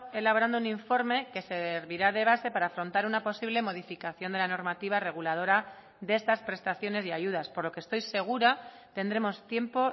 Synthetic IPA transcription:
e̞laβo̞ɾand̪ouniɱfo̞ɾme̞ke̞se̞ɾβiɾaðe̞β̞ase̞paɾaːfɾo̞nt̪aɾunapo̞siβle̞mo̞ð̞ifikaθjond̪e̞lano̞ɾmat̪iβ̞are̞ɣ̞ulað̞o̞ɾa | ðee̞st̪aspɾe̞st̪aθjo̞ne̞siaʝuð̞aspo̞ɾlo̞kest̪o̞jse̞ɣ̞uɾa | t̪e̞nd̪ɾe̞mo̞st̪je̞mpo̞

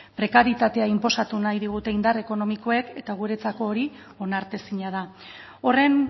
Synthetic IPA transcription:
pɾe̞kaɾit̪at̪e̞aimpo̞sat̪unajðiɣ̞ut̪e̞ind̪are̞ko̞no̞miko̞e̞ke̞t̪aɣ̞uɾe̞t͡sako̞ːɾi | o̞naɾt̪e̞siɲað̞ao̞re̞n

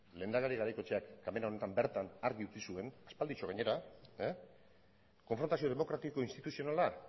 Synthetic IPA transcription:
le̞ːnd̪alaɾiɣaɾajko̞t͡ʃe̞akːame̞nao̞ne̞t̪ambe̞ɾt̪anaɾɣiut͡sisue̞naspald̪it͡ʃoɣ̞aɲe̞ɾa | ko̞ɱfɾo̞nt̪asio̞ð̞e̞mokɾat̪iko̞inst̪it̪usio̞nala

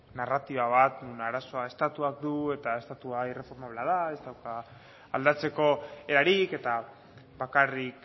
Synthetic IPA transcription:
narat̪iβaβat̪unaɾaso̞ae̞st̪at̪uak̚d̪ue̞t̪ae̞st̪at̪uaire̞fo̞ɾmaβleaðae̞zt̪awka̰ː | ld̪at͡se̞ko̞e̞ɾaɾike̞t̪a | βakarik

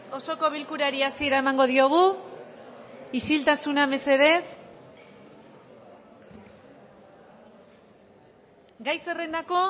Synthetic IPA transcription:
o̞so̞ko̞β̞ilkuɾaɾiasie̞ɾaemaŋɡo̞ð̞io̞ɣ̞u | isilt̪asuname̞se̞ðe̞s | ɡajse̞re̞nd̪ako̞

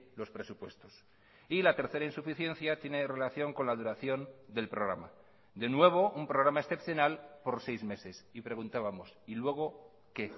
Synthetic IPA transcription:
lo̞spɾe̞supwe̞st̪o̞s | ilat̪e̞ɾθe̞ɾainsufiθje̞nθjat̪je̞ne̞re̞laθjo̞ŋkonlaðuɾaθjo̞nd̪e̞lpɾo̞ɣɾa̰ma | d̪e̞nwe̞β̞o̞umpɾo̞ɣ̞ɾamae̞sθe̞pθjonalpo̞ɾsejzme̞se̞sipɾe̞ɣ̞unt̪aβamo̞silwe̞ɣ̞o̞ | ke̞

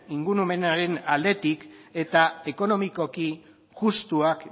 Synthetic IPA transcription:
iŋɡuɾume̞naɾe̞nald̪e̞t̪ike̞t̪ae̞ko̞no̞miko̞ki | ɣust̪uak

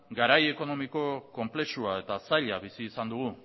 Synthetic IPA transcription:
ɡaɾaje̞ko̞no̞miko̞ko̞mple̞suae̞t̪asaʎaβisiːsand̪uɣ̞u

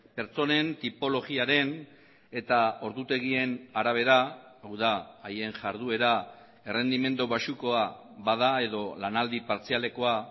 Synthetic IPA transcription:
pe̞ɾt͡so̞ne̞nt̪ipo̞lo̞ɣiaɾe̞n | e̞t̪ao̞ɾðut̪e̞ɣ̞ie̞naɾaβ̞e̞ɾaawðaːje̞nʝaɾðue̞ɾa | ere̞nd̪ime̞nd̪uβasuko̞a | βaðae̞ðo̞lanald̪ipaɾt͡siale̞ko̞a

